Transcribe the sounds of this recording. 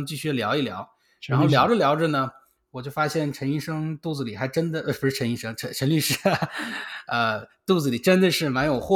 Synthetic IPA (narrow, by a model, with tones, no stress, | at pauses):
t͡ɕi˥˧ɕy˥jljɑ˧˥ʊi˥˩ljɑ̰˧˥ʊ | ɻa˧˥nxo˥˩ʊljɑ˧˥ʊʈ͡ʂə˥˨ljɑ˧˥ʊʈ͡ʂə˥˧nə˩ | wɔ˨˩t͡ɕjo˥˩ʊfa˥ɕjɛ˥˩nʈ͡ʂʰə˧˥ni˥˩˧ʂɤ˥ŋt̪u˥˩d͡zɹ̩˨˩li˨˩xa˧˥ɪʈ͡ʂə˥nd̪ə˨˥˩bu˧˥ʂɻ̩˥˩ʈ͡ʂʰə˧˥ni˥˩ʂɤ˥ŋʈ͡ʂʰə˧˥ʈ͡ʂʰə˧˥nly˥˧ʂɻ̩˥ | ə˧t̪u˥˩d͡zɹ̩˩li˨˩ʈ͡ʂə˥nd̪ə˨ʂɻ̩˥˩ma˧˥njo˨˩ʊxwɔ˥˧